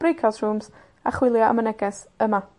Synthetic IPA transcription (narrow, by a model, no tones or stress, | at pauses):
b̥rɪkʰasruːmz | aχwɪlˠjɔa̰mənɛɡɛsəma